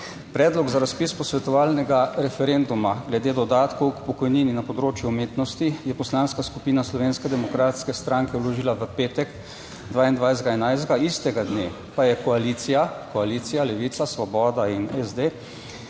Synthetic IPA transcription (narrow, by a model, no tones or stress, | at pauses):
pɾɛːd̪lɔɡzaɾaspispɔsʋɛt̪ɔʋaːlnɛɡaɾɛfɛɾend̪umaɡlɛd̪eːd̪ɔd̪aːt̪kɔwkpɔkɔjniːninapɔd̪ɾoːt͡ʃjuːmeːt̪nɔst̪ijɛpɔslanskaskupiːnaslɔʋeːnskɛd̪ɛmɔkɾaːt̪skɛst̪ɾaŋkɛwloʒiːlaʋəpeːt̪ɛk | d̪ʋaːind̪ʋajzd̪ɡaɛnajzd̪ɡaist̪ɛɡad̪neː | pajɛkɔalit̪sijakɔaliːt̪sijalɛʋiːt̪sasʋɔbɔːd̪ainɛzd̪e